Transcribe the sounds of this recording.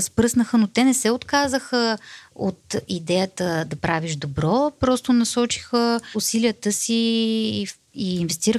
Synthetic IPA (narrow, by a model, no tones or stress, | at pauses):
spɾɤsnəxənot̪ɛnɛsɛot̪kazəxəo̰t̪id̪ɛjət̪əd̪ɐpɾaviʒd̪obɾɔpɾɔst̪onɐsɔt͡ʃi̥xəusiliət̪əsi | iːnvɛst̪iɾə